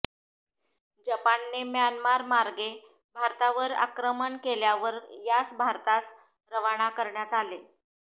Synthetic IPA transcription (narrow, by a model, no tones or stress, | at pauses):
d͡ʑəpanːemjanmaɾmaɾɡe | bʱaɾt̪aʋəɾa̰kɾəməɳkeljaʋəɾjat͡sbʱaɾt̪as | ɾəʋaɳ̃akəɾɳjat̪ale